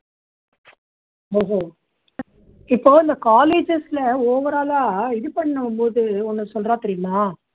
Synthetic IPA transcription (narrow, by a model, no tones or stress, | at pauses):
oːɦoː | ɪpːoːɪnd̪ɐkaːleːd͡ʒɛslɐoːʋɐɾaːlaːɪðɯpɐɳːnɐmpoːðɯɔnːɯsɔlrãːt̪ɐɾɪjmaː